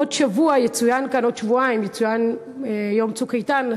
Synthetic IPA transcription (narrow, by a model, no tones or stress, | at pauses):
odʃavuajet͡sujankanodʃvuaimjet͡sujan | jo̞mt͡sukajtan